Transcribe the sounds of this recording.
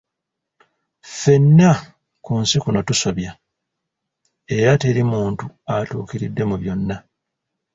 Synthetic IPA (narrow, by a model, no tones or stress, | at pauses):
fe̞nːa | kunsikuno̞tuso̞βja | e̞ɾate̞ɾimuːntuatṵːkiɾidːe̞muβjo̞nːa